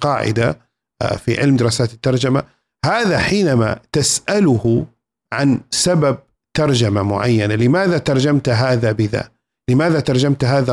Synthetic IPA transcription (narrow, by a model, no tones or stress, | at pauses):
qɑ̰ːʕɪ̰d̪a̰ | fḭʕɪlmd̪ɪɾˤɑːsaːt̪ɪt̪ːɑɾˤd͡ʒama | haːðaħiːnama̰t̪asʔalʊhʊ | ʕansabab̚ | t̪ɑɾˤd͡ʒamamʊ̰ʕa̰jːanalɪmaːðat̪ɑɾˤd͡ʒamt̪ɦaːðabɪða̰ | lɪmaːðat̪ɑɾˤd͡ʒamt̪ɦaːða